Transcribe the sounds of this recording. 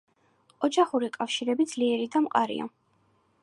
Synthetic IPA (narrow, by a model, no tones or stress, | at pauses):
ɔd͡ʒaχuɾikʼafʃiɾɛbid̪z̥liɛɾid̪amqʼaɾḭa̰